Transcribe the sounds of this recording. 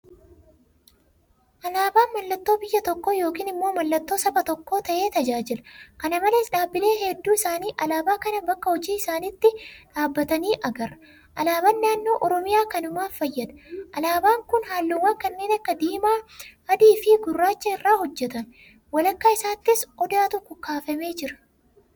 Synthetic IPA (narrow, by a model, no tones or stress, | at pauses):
ʔɐlaːbaːnmɐlːɐt̪ːo̞ːbɪjːɐt̪ɔkːoːjo̞ːkiːnɪmːo̞ːmɐlːɐt̪ːo̞ːsɐbɐt̪ɔkːo̞ːt̪ɐʔe̞ːt̪ɐd͡ʒaːd͡ʒɪlɐkɐnɐmɐleːsᶑaːbːɪle̞ːɦɛd̪ːuːɪsaːniːʔɐlaːbaːkɐnɐbɐkːɐhɔd͡ʒiːɪsaːnɪːt̪ːɪᶑaːbːɐt̪ɐniːʔɐɡɐrɐ | ʔɐlaːbɐnːaːnːo̞ːʔɔɾɔmɪjaːkɐnʊmaːfɐjːɐd̪ɐ̥ʔɐlaːbaːŋkʊnhaːlːʊwaːŋkɐnːe̞ːnɐkːɐd̪iːmaːɐd̪iːfɪɡʊrːaːt͡ʃːɐɪrːaːhɔd͡ʒːɛt̪ɐn | wɐlɐkːaːɪsaːt̪ːɪsʔɔd̪aːt̪ʊkʊkːaːfɐme̞ːd͡ʒɪɾɐ̥